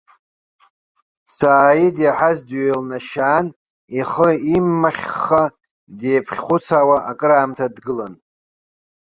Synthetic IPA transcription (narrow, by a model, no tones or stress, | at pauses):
saːidjaħazdɥelnaʃaːn | iχəimːaχʲːa | deːpʰχʲχʷʊt͡sʰawaʔakʼɨɾaːmtʰadɡɨlan